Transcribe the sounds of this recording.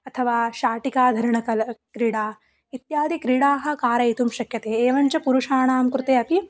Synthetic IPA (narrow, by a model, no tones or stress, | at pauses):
ɐt̪ʰɐʋaːʃaːʈikaːd̪ʱɐɾɐɳɐkɐlɐkɾiːɽaː | it̪jaːd̪ikɾiːɽaːɦɐ̆kaːɾɐit̪umʃɐkjɐt̪eːeːʋɐɲt͡ʃɐpuɾuʂaːɳaːmkɾut̪eːɐpi